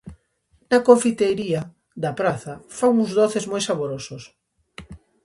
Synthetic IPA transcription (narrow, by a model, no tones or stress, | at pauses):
nɐkoɱfit̪ejɾia | ðɐpɾaθɐfawuŋzðoθezmojsaβoɾosos